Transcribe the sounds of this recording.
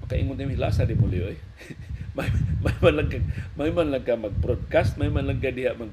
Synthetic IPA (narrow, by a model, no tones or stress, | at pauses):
makaʔḭŋʊnk̪amila̰sadimulioj | mamamanlaŋkamajmanlaŋkamaɡ̚pɾod̚kast̪̚majmanlaŋkadiɦaʔmaɡ